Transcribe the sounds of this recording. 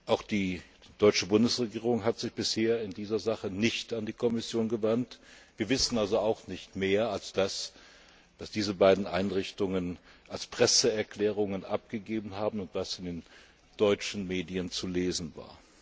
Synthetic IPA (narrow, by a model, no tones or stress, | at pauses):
ʔaʊxd̥iː | d̥ɔʏt͡ʃəbʊndəsʁeɡiːʁʊŋɦatz̥ɪçb̥ɪsheːɐɪndiːzɐzaχənɪçtandiːkʰɔmɪsjoːnɡəvantv̥iːɐvɪsn̩alzoaʊxnɪçtmeːɐalsd̥as | v̥asd̥iːzəbaɪdn̩ʔa̰ɪnʁɪçtʊŋənʔalspʁ̥ɛsəɛɐkl̥ɛːʁ̞ʊŋənʔap̚ɡ̥əɡeːbn̩ɦaːbm̩ʊntv̥asɪndeːn | d̥ɔʏt͡ʃn̩meːdiənt͡suleːzn̩va̰ːɐ